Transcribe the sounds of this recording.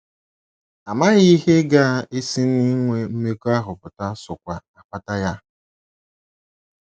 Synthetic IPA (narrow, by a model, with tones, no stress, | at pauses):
a˨ma˦ɣi˦he˦ɡa˦e˦si˦ni˦ŋʷe˨m̩˦me˦ko˦a˦ɦʊ˨pʊ˨ta˦sʊ˨kʷa˨a˨k͡pa˦ta˦ja˦